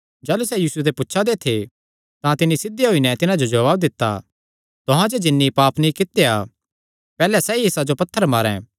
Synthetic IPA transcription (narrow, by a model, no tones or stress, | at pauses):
d͡ʒaːlusɛjiːsuet̪̬epʊtːʃʰad̪et̪ʰe | t̪ãt̪ɪnːisɪd̪ːeɦoinɛt̪ɪnãd͡ʒod͡ʒɐʋaːb̚d̪ɪt̪ːa̰ | t̪ʊɦãd͡ʒed͡ʒɪnːipaːpnĩkɪt̪ːea | pɛːlɛsɛiɪsad͡ʒopɐt̪ʰːəɾmaːɾɛ̰̃